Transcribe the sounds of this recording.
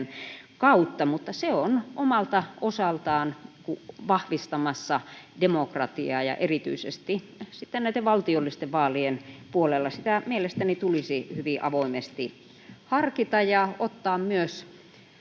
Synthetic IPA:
nkɑut̪ːɑmut̪ːɑseonʔomɑlt̪ɑʔosɑlt̪ɑːnkuʋɑhʋist̪ɑmɑsːɑdemokrɑt̪iɑːjɑ̰ʔerit̪y̰isḛst̪i | sit̪ːennæit̪eʋʋɑlt̪iolːist̪eʋʋɑːlienpuolelːɑsit̪æmielest̪ænit̪ulisihyʋiʔɑʋoimest̪i | hɑrkit̪ɑjɑot̪ːɑːmmyøs

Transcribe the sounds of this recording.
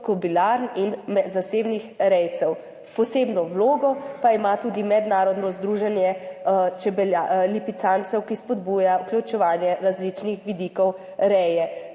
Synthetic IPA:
kɔbilaɾninmɛzaseːbnixɾɛjt̪sɛw | pɔseːbnɔwloːɡɔpaimat̪uːd̪imɛd̪naːɾɔd̪nɔzd̪ɾuːʒɛnjɛt͡ʃɛbɛljalipit̪sant̪sɛwkispɔd̪buːjauklut͡ʃɛʋaːnjɛɾazlit͡ʃnixʋid̪iːkɔw | ɾɛjɛ

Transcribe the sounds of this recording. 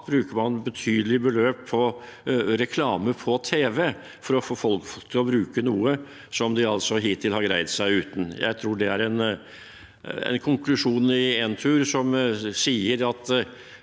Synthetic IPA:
bɾʉːkəmɑnbət̪ʰyːd̪əlɪbəløːpʰːɔ | ɾɛkʰlɑːməpʰɔt̪ʰeːʋɛ | fɔɾɔfoːfɔlkfɔt̪ʰːɪlɔbɾʉːkənuːə | sɔmd̪ɪɑlsɔɦiːt̪ʰɪlhɑɾɡɾæɪd̪sæɪʉːt̪n̩jæ̰ɪt̪ʰɾuːɖɛæɾɛn | ɛ̰nkʰʊŋklʉʂuːnɪɛnt̪ʰʉːɾsɔmsiːəɾɑt̪

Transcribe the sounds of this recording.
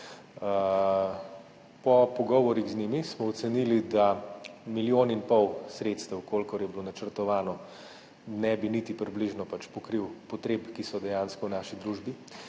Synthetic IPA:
pɔpɔɡɔːʋɔɾiɣznimismɔɔt̪sɛnilid̪amiljoːninpɔwsɾet̪st̪ɛwkʰoːlkɔɾjɛblonat͡ʃəɾt̪ɔʋaːnɔ | nɛbinit̪ipɾibliʒnɔpat͡ʃpɔkɾiwpɔt̪ɾeːpkisɔd̪ɛjanskɔwnaːʃid̪ɾuʒbi

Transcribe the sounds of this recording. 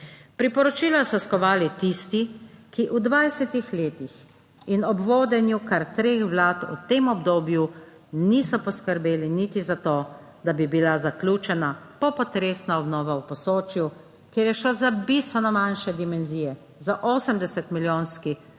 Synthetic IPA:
pɾipɔɾɔt͡ʃiːlasɔskɔʋaːlit̪ist̪ikiʔud̪ʋajsɛt̪ixleːt̪ix | inɔbʋoːd̪ɛnjukaɾt̪ɾeːxʋlaːt̪ṵt̪eːmɔbd̪oːbju | nisɔpɔskəɾbeːlinit̪izat̪oː | d̪abibilazaklʲjuːt͡ʃɛnapɔpɔt̪ɾeːsnaɔbnɔːʋawpɔsoːt͡ʃju | keːɾjɛʃozabist̪ʋɛnɔmanʃɛd̪imɛnziːjɛ | zaʔoːsəmd̪ɛsɛt̪miljoːnski

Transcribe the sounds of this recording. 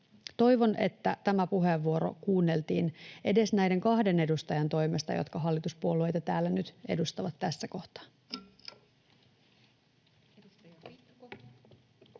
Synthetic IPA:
t̪o̞jʋo̞ne̞̰t̪ːæt̪æmæpuɦeʋːuo̞ɾo̞̰kuːnːe̞lt̪iːne̞de̞snæjde̞ŋkɑhde̞ne̞dust̪ɑjɑnt̪o̞jme̞st̪ɑ̰jot̪kɑɦɑlːit̪uspuolue̞jt̪ɑt̪æːlːænyt̪e̞̰dust̪ɑʋɑt̪ːæsːæko̞ht̪ɑ̥

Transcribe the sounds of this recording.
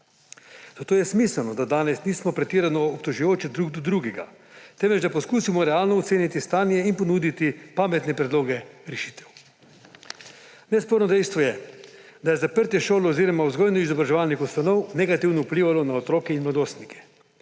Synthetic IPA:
z̥at̪oːjɛsmiːsəlnɔd̪ad̪aːnɛsniːsmɔpɾɛt̪iːɾanɔːpt̪oʒujoːt͡ʃɛd̪ɾuɡd̪ud̪ɾuɡɛɡa̰ | t̪ɛmʋɛd͡ʒd̪apɔskuːsimɔɾɛaːlnɔɔt̪seːnit̪ist̪aːnjɛinpɔnuːd̪it̪ipaːmɛt̪nɛpɾɛd̪loːɡɛɾɛʃiːt̪ɛw | nɛspoɾnɔd̪ɛjst̪ʋɔjɛ | d̪ajɛzapəɾt̪ɛʃoːlɛːziːɾɔmauzɡɔːjnɔizɔbɾaʒɛʋaːlnixust̪anɔwnɛɡat̪iwnɔupliːʋalɔnaɔt̪ɾoːkɛinmlad̪oːst̪nikʰɛ̥

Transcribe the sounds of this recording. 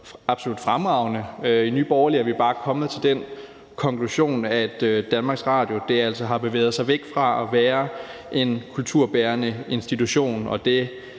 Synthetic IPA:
ɑ̈b̥so̝lud̥fʁamʁɑ̈ʊnəøiny̰ːb̥ɒːɐliæɐʋib̥ɑ̈ːkʰɒ̽mð̩ˠt͡sʰe̝ld̥en̰ | kʰɒ̽ŋkʰluɕo̝̰ːnæd̥ød̥ːænmɑ̈ɡ̥sʁɑ̈ːd̥jo̝d̥e̝æl̰sɒɦɑ̈b̥e̝ʋḛːð̞̩ˠsɑ̈ɪʋeɡ̥fʁɑ̈æʋæːɐ | ʔe̝nkʰult͡sʰuɐ̰b̥æːɐnəe̝nsd̥it͡sʰuɕo̝̰ːnɒ̽d̥e̝

